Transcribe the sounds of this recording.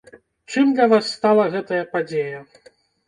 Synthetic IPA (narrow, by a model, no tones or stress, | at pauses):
t͡ʂɨmd̪lʲɐvasːt̪alˠɐɣɛt̪ɐjɐpad͡zʲejɐ